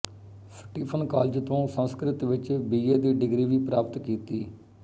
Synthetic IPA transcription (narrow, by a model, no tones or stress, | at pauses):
səʈiːpʰənkaːld͡ʒt̪õːsənskɾɪt̪ʋɪt͡ʃbiːeːd̪iːɖɪɡɾiːʋiːpɾaːpt̪kiːt̪iː